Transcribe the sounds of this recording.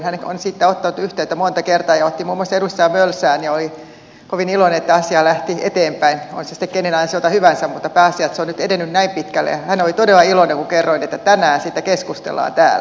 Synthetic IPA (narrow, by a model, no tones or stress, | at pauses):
nhæno̰nsit̪ːæot̪ːɑnut̪yht̪eyt̪æmont̪ɑkert̪ɑːjɑot̪ːimuːmːoɑsːɑedust̪ːɑːmølsæːnjɑoli | koʋinilonenet̪ːæɑsiɑlæht̪iḛt̪eːmpæino̰nsesĭ̥t̪ekenenɑjnɑsiot̪ɑhyʋænsæmmut̪ːɑpæːɑsiɑt̪seonnyt̪edenːynnæimpit̪kælːḛjɑhænolit̪odelːɑiloneŋkukerːoinet̪ːæt̪ænæːnsit̪ːˑækeskust̪ḛlːˑɑ̰ːnt̪æ̰ːlː